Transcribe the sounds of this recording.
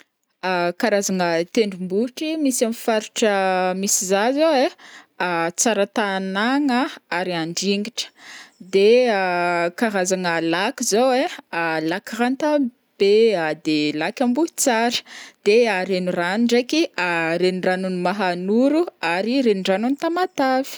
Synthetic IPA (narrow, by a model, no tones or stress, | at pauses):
akaɾazaŋət̪eɳɖ͡ʐumbuʈ͡ʂimisamifaɾuʈ͡ʂəmisizazoweat͡saɾət̪anaŋəaɾiaɳɖ͡ʐiŋɡiʈ͡ʂə̥d̪eakaɾazaŋəlakizowealakirant̪a | b̥ead̪elakʲambut͡saɾə̥d̪̥eaɾenuranuɳɖ͡ʐekiaɾeniranunumaɦanuɾuaɾiɾeniɖ͡ʐanunit̪amat̪avi̥